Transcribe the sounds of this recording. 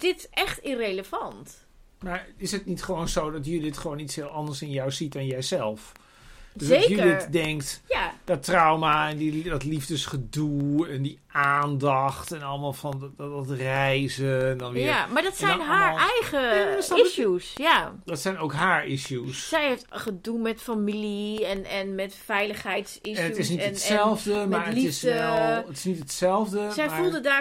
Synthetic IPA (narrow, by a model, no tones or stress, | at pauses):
d̥ɪtɛχtɪrejləvɑnt | maɹɪsət̚nitχəʋownzowdɔtjəlidɪtχəʋoːnitshɪəlˠɑndəɹsɪnjɔwzitdɔnjɛjzɛlˠf | øszejjəɪtdɛŋktjad̥ɔtrawmaɛndidɔtlifdəsχədulˠɛndiʔaːndɑχtɛnɔlˠəmaːlˠfɔnɔtrɛjzəɛndɔnʋɪamaɹdɔtsɛjnɦaːɹɛjχəsisusjadɔtsɛjnowkɦaːɹisjussɛjheftχədunmɛtfamiliɛnɛnmɛtfɛjləχhɛjtsisɛəutɪsnintɛlˠvdəmaəliɪsɛlˠətɪsnitətsɛlˠvdəsɛjmfulˠdədaː